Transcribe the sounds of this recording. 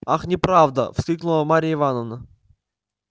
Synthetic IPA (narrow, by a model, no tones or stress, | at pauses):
axnʲɪpɾavd̪ə̰fsʲkʲiknʊlˠəmaɾʲijəɪvanəvnə